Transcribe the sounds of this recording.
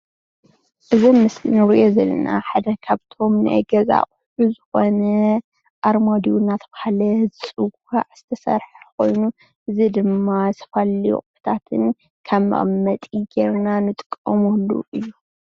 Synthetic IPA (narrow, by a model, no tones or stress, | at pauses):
ʔɨzomːɨslinɨɾɨʔozɐlːɐ̰na̰ħad̪ɐkʰaβt̪ʰo̞mnɨ̰ʔɐ̰ɡɐza̰χʼħuzɨxo̞nɐ | ʔaɾmod̪iwnːat̪ʰɐbahalɐzɨt͡sʼɨɡ | aʕz̥ɨt̪ʰɐsɐ̰ɾħako̞̰jnu | ʔɨzid̪ɨmːasɐ̥falːḭχʼft̪ʰat̪ʰɨn | kʰaβmɐ̰χʼmɐt̪ʼiɡeɾnanɨt̪ʼɨkʼːɐmulːṵʔɨjːu